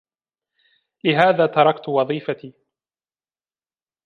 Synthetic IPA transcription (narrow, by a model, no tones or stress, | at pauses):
lɪɦaːðaːt̪ɑɾˤɑkt̪wɑðˤiːfat̪iː